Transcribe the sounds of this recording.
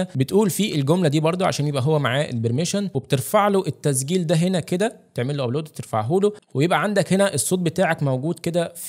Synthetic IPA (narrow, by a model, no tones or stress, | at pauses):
æbet̪ʔuːlfiːʔelɡomlæd̪iːbɑɾˤd̪ˤoʕa̰ʃæːnjebʔæɦowːæmaʕaːʔḛlbeɾmeʃænweb̚et̪eɾfaʕloʔet̪ːæs̬ɡiːld̪æɦenæked̪æet̪eʕmelːoʔæbloːd̪̚b̚et̪eɾfa̰ʕɦuːlowejebʔæʕand̪ækhenæʔesˤːoːt̪̚bet̪aːʕækmæwɡuːd̪ked̪æf